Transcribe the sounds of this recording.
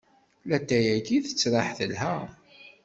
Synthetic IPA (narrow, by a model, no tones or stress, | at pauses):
læt̪ːæjækiθə̥t͡sːɾˤɑħθəlɦæ